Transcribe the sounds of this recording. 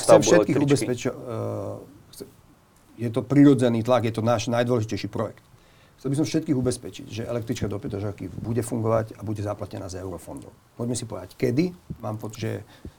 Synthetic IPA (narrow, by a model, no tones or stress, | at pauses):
t͡sɛmfʃʃɛtkiːɣubɛspɛt͡ʃ | ɛ | jɛt̪̬ɔpɾiɾɔd͡zɛniːt̪laɡjɛt̪ɔnaːʒnajd̪ʋɔlɛʒicɛjʃipɾɔjɛ̰kt̪ | xt͡sɛlbis̬ɔmfʃɛt̪̚kiːɣubɛspɛt͡ʃḭcʒɛʔɛlɛkt̪ɾit͡ʃkad̪ɔpɛt̪ɔʒakibuɟɛfuŋɡɔʋaɟabuɟɛzaplacɛna̰ːzɛʊɾɔfɔnd̪ɔ̰ʊpɔɟmɛsipɔʋɛd̪ackɛd̪imaːmpɔʒɛ